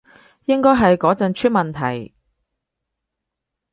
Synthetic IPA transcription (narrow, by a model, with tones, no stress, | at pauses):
jɪ˥ŋkɔː˥jɦɐ˨jkɔː˨˥t͡sɐ˨˧nt͡ʃʰyː˥t̚mɐ˨nt̪ʰɐ˨˩j